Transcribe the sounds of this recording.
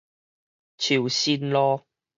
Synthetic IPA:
t͡ɕʰi˨˩wsiː˥nlɔː˦˥

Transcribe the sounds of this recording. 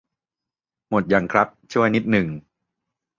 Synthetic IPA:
mo˨˩t̪̚ja˨˩ŋkʰɾa˦˥p̚t͡ɕʰu˥˩ɐjni˦˥t̪̚nɯ˨˩ŋ

